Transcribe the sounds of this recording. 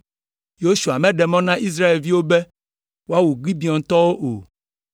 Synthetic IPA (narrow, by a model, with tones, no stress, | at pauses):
jo˦ʃu˨a˨mɛ̃˦ɖɛ˨mɔ̃˦nã˦ʔi˦s̬ɾa˦e˨lvi˦wo˦bɛ˦ | wo˦a˦wu˨ɡ͡bi˦bi˨ɔ̃˨n˨t̪ɔ˦wo˦ʔo̰˨